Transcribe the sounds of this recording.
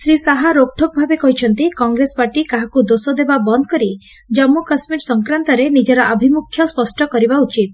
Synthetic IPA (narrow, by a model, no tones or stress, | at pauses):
sɾisaɦaɾok̚ʈʰɔk̚ɔbʱabekɔɦit͡ʃʰɔnt̪ikɔŋɡɾespaʈikaɦakud̪osɔd̪ebabɔnd̪ɔkɔɾi | d͡ʒɔmːukasmiɾsɔŋkɾant̪ɔɾenid͡ʒɔɾɔʔəbʱimukʰːjɔspɔsʈɔkɔɾibaut͡ʃit̪̚